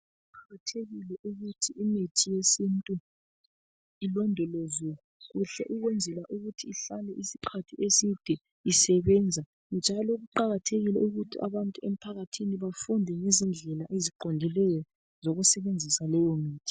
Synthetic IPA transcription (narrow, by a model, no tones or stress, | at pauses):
uǃʰaɣatʰeɣilɛʔuɣutʰiimitʰijesintʼu | ilɔndʱɔlɔzɔ | ɣuɬɛ̰ʔuɣwɛnd͡zʱɛlaʔuɣutʰiːɬalɛʔisi̥ǃʰatʰiesid̥ʱɛ | isɛβɛːnd͡zʱa | ŋd͡ʒʱalɔɣuǃaɣatʰeɣilɛuɣutʰia̰βantʼuem̩pʰaɣatʰiniβafundʱɛŋezind͡ɮʱɛlaʔeziǃɔndʱilɛjɔ | zoɣusɛβend͡zʱisalɔjɔmiːtʰi̥